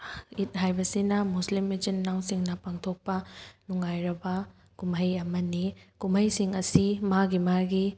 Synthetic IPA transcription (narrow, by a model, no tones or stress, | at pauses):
it̚ɦajbɐsinɐmuslimid͡ʒinːawsiŋnɐpaŋtʰok̚pɐnuŋajɾɐbɐ | kumɐjɐmɐnikumɐjsiŋɐsimaɡimaɡi